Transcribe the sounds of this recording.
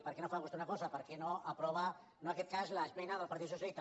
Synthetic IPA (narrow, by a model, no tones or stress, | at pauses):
pəɾkenofaɣust̪aunakɔzapəɾkenoʔəpɾɔβa | noakɛt̪̚kazlasmɛjnaðəlˠpɐɾt̪it̪s̬us̬jalist̪a